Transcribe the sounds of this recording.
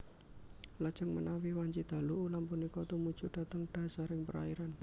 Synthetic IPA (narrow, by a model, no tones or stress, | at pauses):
lad̥ʒ̥ə̤ŋmənawiwaɲt͡ʃid̪̥a̤luʔulampunikɔt̪umud̥ʒ̥ṳd̥a̤t̪əŋɖ̥a̤saɾɪŋpəɾa̰iɾan